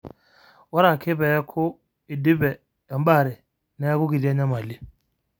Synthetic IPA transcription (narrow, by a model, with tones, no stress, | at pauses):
wa˦ɾa˨kʰɪ˦bɛ˨ja˦kʰʊ˦ | ɪ˨dɪ˦bɛ˨ | ja˨m̩˦ba˦˨ɾɪ˨ | na˨ja˦kʊ˦ɡi˨di˦a˦ɲa˦m˨a˨li˦